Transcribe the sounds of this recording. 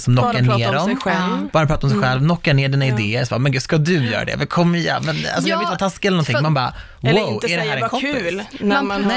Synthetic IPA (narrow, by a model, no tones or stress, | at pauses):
sɔmnɔkːaneːɾɔmb̥ɑːɾapʰɾɑːt̪ɔmsɛjɧɛlvnɔkːaɳeːɖiːnaɪd̪eːəɾsɔbɑ̰ːmɛnɡʉːd̪skad̪ɵjœ̰ːɾa̰d̪ɛ̰vɛkʰɔmːɪjɛ̰mɛna̰lsɔmavɪlt̪ʰaːt̪ʰaskəɛlɛnɔnt̪ʰɪmmanbɑː | wawæɖɛæːɾɛkʰɔm